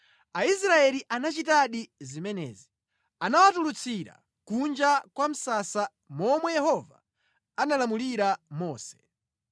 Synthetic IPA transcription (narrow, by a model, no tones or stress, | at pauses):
aisɾaɛliʔanat͡ʃitaɗizimɛnɛ̰ːzi | anawatulut͡sʰiɾa̰ | kund͡ʒakwam̩sasa | mɔmwɛjɛhɔva̰ | analamuliɾamɔːsɛ̥